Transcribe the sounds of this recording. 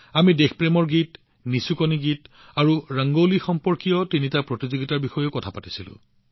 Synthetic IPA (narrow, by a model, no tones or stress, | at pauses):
amidexpɹemɔɹɡit | nisukoniɡit | aɹuɹaŋɡolixɔmpɔɹkijɔtinitapɹɔtizoɡitaɹbixɔjokɔtʰapatisilʊ̰̃